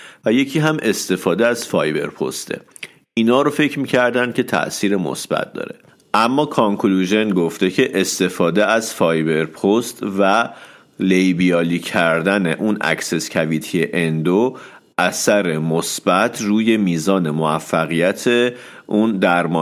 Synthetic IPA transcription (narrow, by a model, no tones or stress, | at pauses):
væje̞cʰiːɦæmʔe̞st̪e̞fɒːd̪eæz̥fɒːjbe̞̰ɾpʰo̞̰st̪ʰḛ | ʔinɒːɾofe̞cʰɾmiːcʰæɾd̪ænd̪̥̚cʰʲe̞t̪ʰæ̰ʔsiːɾemo̰sb̥æ̰t̪̚ʰd̪ɒ̰ːɾe̞ | ʔæmːɒːkʰɒŋkʰluʒe̞nɡo̞ft̪e̞cʰe̞ʔest̪e̞fɒːd̪eæz̥fɒːjbe̞ɾpʰost̪væ | lejbiɒːliːcʰæɾd̪ænḛʔunʔæ̰cse̞scʰæviːt̪ʰieʔend̪o | ʔæsæɾe̞mosbæt̪ʰruːje̞miːzɒːne̞moæfːæɣijæt̪ʰeʔund̪æɾmɒː